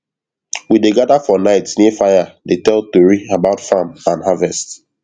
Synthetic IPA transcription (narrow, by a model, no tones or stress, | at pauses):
wideɡadafɔnaɪtnefajadetɛltoɹiabaʊtfãmãnɦavɛst